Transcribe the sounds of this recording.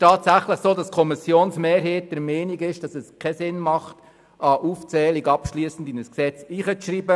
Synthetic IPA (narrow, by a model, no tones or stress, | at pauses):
tʰɑːtsæχləχsoːdɑskʰɔmɪsjoːnsmeːɾɦeːt̚d̥ɛɾmeːniɡɪʃd̥ɑsɛskʰɛsɪnmɑχt | ɑʔuːft͡sɛːliɡɑpʃliːsn̩dinəsksɛt͡siːχət͡sʃɾiːbə